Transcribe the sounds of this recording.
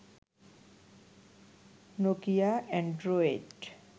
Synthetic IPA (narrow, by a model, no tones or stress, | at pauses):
nokijaɛ̃ɳɖɾoeɖ